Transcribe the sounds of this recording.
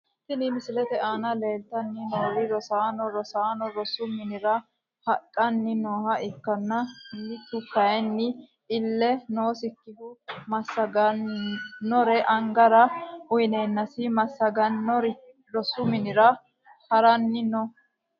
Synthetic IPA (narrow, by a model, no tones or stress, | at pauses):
sɪnɪmɪsɪlɛt̪ɛaːnɐle̞ːlt̪ɐnːɪnoːwɪɾɔsaːnɔɾɔsaːnɔɾɔsʊmɪnɪɾɐ | hɐkʼːɐnːɪnoːhɐʔɪkːɐnːɐmɪt̪ːʊkɐjɛnːɪ | ɪlːɛnoːsɪkːɪd̪ʊmɐsːɐɡɐː | ɔɾɛʔɐŋɡɐɾɐʊjne̞ːnːɐsɪmɐsːɐɡɐnɔɾ | ɾɔsʊmɪnɪɾɐ | hɐɾɐnːɪnɔ